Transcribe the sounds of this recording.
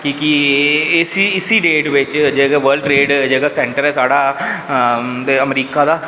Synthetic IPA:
kiːki | siɪsiːɖeːʈʋɪt͡ʃd͡ʒeːɡaːʋəɾɖɾeːɖd͡ʒeːɡaːsɛ̃ːɳʈəɾɛːsaːɖaː | d̪eəmɾiːkaːd̪aː

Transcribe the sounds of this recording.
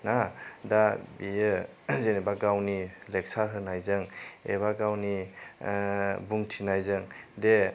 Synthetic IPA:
nadabijɯ | zenebaɡawnilek̚saɾɦɯnajzɯŋḛβaɡawni | buŋtʰinajzɯŋde

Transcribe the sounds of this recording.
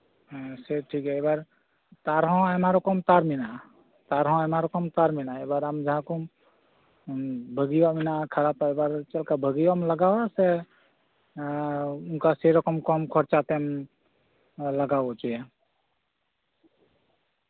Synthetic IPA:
seʈʰikɦɛebaɾ | t̪aɾɦɔ̃amaɾokɔmt̪aɾmina | t̪aɾɦɔ̃amaɾɔkɔmt̪aɾminaebaɾamd͡ʒəɦãku | bʱəɡiwaminakʰəɾab̚t̪ɔebaɾt͡ʃəlkabʱəɡiwameləɡawase | unkaseɾəkəmkɔmkʰɔɾt͡ʃat̪em | ləɡabɔt͡ʃijɛ

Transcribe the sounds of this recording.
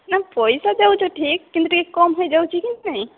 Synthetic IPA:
napɔjsad͡ʒawt͡ʃɔʈʰikːint̪ɾikekɔmɦojd͡ʒawt͡ʃʰikint̪naj

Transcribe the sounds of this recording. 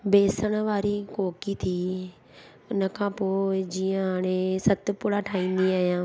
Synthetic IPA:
beːsəɽ̃ʋaːɾikoːkit̪ʰiː | ʊnəkʰãːpoːɪd͡ʒiːãɦaːɽ̃ẽsɐt̪pʊɽaʈʰaːĩːn̆d̪iaːɦijãː

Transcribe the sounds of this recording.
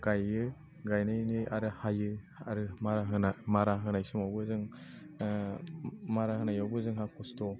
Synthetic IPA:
ɡ̥ajɯ | ɡajnajnɯjaɾɯhajɯ | aɾɯmaɾaɦɯnamaɾaɦɯnajsɯmawbɯzɯŋ | maɾahɯnajawbɯzɯŋɦakʰɔstɔ

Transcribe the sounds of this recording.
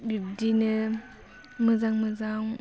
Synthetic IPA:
bib̚dinə | məzaŋməzaŋ

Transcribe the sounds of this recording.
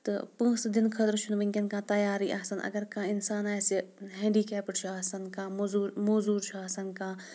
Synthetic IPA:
t̪ɨ̰pə̃ːsd̪ɪnkʰɐt̪ɾt͡ʃʰunʋɐŋkʲɐnkãːt̪ɐjaːɾiːʔɐɦsɐnɐ̰ɡɐɾkãːɪnsaːnaːjsiɦẽːɳɖiːkɛːpɐʈt͡ʃʰuaːsɐnkãːmːzuːɾmoːzuːɾt͡ʃʰuaːsɐnkãː

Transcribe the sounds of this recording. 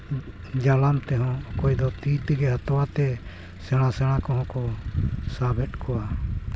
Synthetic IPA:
d͡ʒalamt̪ɛɦɔ̃ɔkɔjd̪ɔt̪it̪iɡɛɦat̪ɔwat̪ɛ | sɛɽ̃ãsɛɽ̃ãkɔ̃ɦɔ̃kɔsabʱɛʈkɔwa

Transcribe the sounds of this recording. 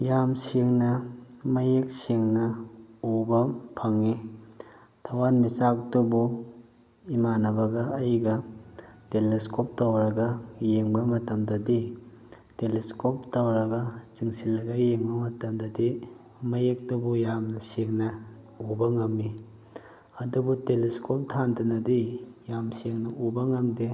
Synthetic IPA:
jamseŋnɐmɐjek̚seŋnɐobɐpʰɐŋːi | tʰɐwanmisak̚tubu | imanɐbɐɡɐɐjɡɐteleskop̚tɐwɾɐɡɐjeŋbɐmɐtɐmdɐdi | teliskɔp̚tawɾɐɡat͡ʃiŋsilːɐɡajeŋbɐmɐtɐmdɐdi | mɐjek̚tubujamnɐseŋnɐ | ubɐŋɐmːi | ɐdubuteleskʰɔp̚tʰandɐnɐdijamseŋnɐubɐŋɐmde

